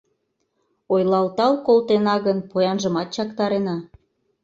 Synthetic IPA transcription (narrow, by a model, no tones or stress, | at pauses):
ojlɑlt̪ɑlkolt̪enɑɣənpojɑnʒə̆mɑt̪̚t͡ɕɑkt̪ɑɾenɑ